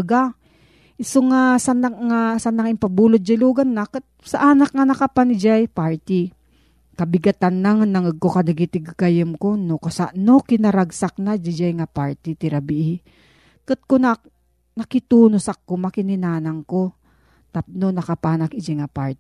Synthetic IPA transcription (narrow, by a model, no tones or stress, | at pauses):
ɡa | ʔɪsoŋasanaŋasanːaŋɪmpabuːlot̪̚d͡ʒɪluːɡanːakt̪̚saʔanak̚ŋanɐkapanɪd͡ʒajpaɹt̪ɪ | kɐbɪɡat̪anlaŋnaŋəɡ̚kokɐnaɡit̪ɪɡkajɪmkonokasa̰ʔnokɪnɐɾaɡsak̚nad͡ʒɪd͡ʒajŋapaɹt̪ɪt̪ɪɾabiʔ | kɨt̪̚kona | nɐkɪt̪uːnosakːomakɪnɪnaːnaŋko | t̪ap̚nonɐkapaːnakɪd͡ʒajŋapaɹt̪